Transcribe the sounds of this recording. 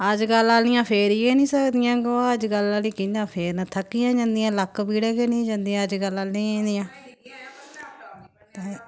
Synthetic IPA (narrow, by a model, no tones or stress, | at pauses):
əd͡ʒɡəlːaːlnɪjãːpʰeːɾiːeːnĩːsəkd̪ɪjãːɡoaːəd͡ʒɡəlaːliːkinãːpʰeːɾnat̪ʰəkːijãːd͡ʒãnd̪ɪjãːləkːbiːɽeːkeːnĩːd͡ʒãnd̪ijãːəd͡ʒɡəlːaːlnĩːnd̪ijãː | t̪eː